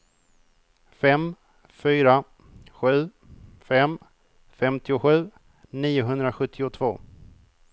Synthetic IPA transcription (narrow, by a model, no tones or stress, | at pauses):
fɛm | fyːɾa | ɧʉ̟ː | fɛm | fɛmt̪ʰɪʊɧʉ̟ː | niːʊɦɵnd̪ɾaɧɵt̪ʰːɪʊt̪ʰvoː